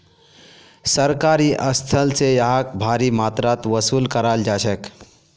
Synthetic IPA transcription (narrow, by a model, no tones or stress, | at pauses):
səɾkaɾiːʔəst̪ʰəlt͡sejaɦak̚bʱaɾiːmat̪ɾat̪ʋəsuːlkəɾald͡ʒaɕək